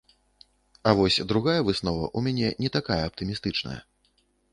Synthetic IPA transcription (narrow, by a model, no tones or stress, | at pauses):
avɔsʲd̪ɾuɣajɐvɨsnɔvɐ̰ʔumʲanʲɛnʲɛt̪akajɐːp̚t̪ɨmʲist̪ɨt͡ʂnɐ̰jɐ̰